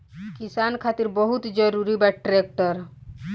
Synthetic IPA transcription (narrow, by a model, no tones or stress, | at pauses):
kɪsaːnkʰaːt̪iɾbəɦut̪d͡ʒəɾuɾibaʈɾek̚ʈəɾ